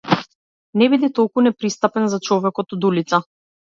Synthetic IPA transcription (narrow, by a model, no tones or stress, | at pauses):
nɛbid̪it̪ɔlˠkunɛpɾist̪apɛnzat͡ʃɔvɛkɔt̪ɔd̪ulit̪sa